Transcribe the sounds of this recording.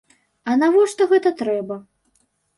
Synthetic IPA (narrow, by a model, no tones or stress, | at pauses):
ɐnavɔʂt̪ɔɣɛt̪ɐt̪ɾɛbɐ